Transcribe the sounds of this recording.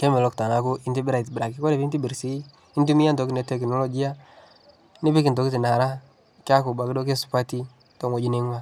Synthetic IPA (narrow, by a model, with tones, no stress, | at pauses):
ke˦mɛ˨lɔ˦kta˨ŋa˨ku˦ʔi˦nti˦bi˦ɾa˨i˨tbi˨ɾa˨ki˦kɔ˦ɾe˨pi˦nti˦bi˨ɾsi˦ | i˦ntu˦mi˦ja˦nto˨˦ki˦ne˨˦tɛ˨knɔ˦lɔ˦˨ɡi˦a˦ | nɪ˦bi˦ki˨nto˨ki˦ti˨na˨ɾa˦ | kja˦ku˨ba˨ki˦do˦ke˦su̥˨pa˦ti˦ | to˨ŋo˨d͡ʒi˦ne˦ŋwa˦